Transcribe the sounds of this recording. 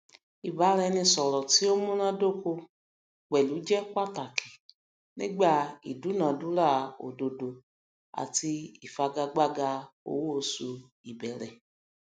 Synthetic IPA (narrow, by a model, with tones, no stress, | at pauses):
i˨ba˨˦ɾɛ˧nĩ˧sɔ˨ɾɔ˨ti˨˦o˦mũ˦nã˦do˦˨ko˧ | k͡pɛ˨lu˨˦d͡ʒɛ˦kʷa˦˨ta˨kʰi˨ | nḭ̃˦ɡ͡ba˦˨ḭ˨du˨˦nã˨˦dũ˨˦ɾa˦˨o̰˨do˨do˨ | a̰˨ti˧i˨fa˧ɡa˧ɡ͡ba˦ɡa˧o̰˨˦wu˦o˧su˧ | i˨bɛ˨ɾɛ˨